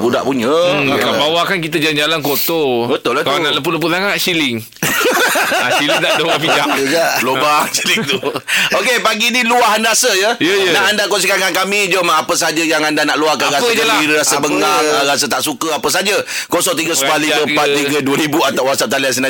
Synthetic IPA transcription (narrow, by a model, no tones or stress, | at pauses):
buda̰ʔpuɲəkabawakankit̪əd͡ʒalnd͡ʒalankot̪obət̪ʊlakalanaʔləpʊləp̬ʊtaŋaʔsilɪŋ | aʃilit̪adawapid͡ʒaɡaʔlobasilɪŋt̪uokepaɡiniluaɦanɾasəjəjəjənaʔandakons̬ikaŋankamid͡ʒomapəsad͡ʒəjaŋandanaʔluahkaɾasaaaiɾɾasəbəŋɡaaɾas̬ət̪aʔsukəapəs̬ad͡ʒə | kosɔʔt̪iɡəsə̥paliəpat̪ːiɡəduəɾibuat̪awasaʔ̚t̪alians̬ənã